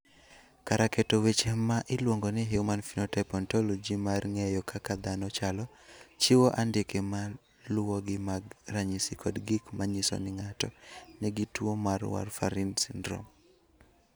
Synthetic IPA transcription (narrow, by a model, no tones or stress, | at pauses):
kaɾakɛtowet͡ʃemaʔɪlwoŋɡɔnɪɦeumanfinɔtɛpɔntɔlɔd͡ʒimarŋejɔkʰakad̪anɔt͡ʃalɔ | t͡ʃiwoʔandɪkema | lʊwoɡɪmaɡraɲisikʰɔdɡɪkmaɲɪsɔ̰nɪŋatɔnɛɡitwomarwa̰rfaɾinsindɾo̰m